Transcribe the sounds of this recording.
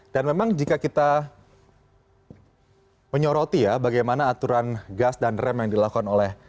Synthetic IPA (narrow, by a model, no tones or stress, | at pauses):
d̥anmemaŋd͡ʒikakit̪a | məɲɔɾot̪ijabaɡajmanaːt̪uɾanɡasdanrɛmjaŋdilakukanolɛh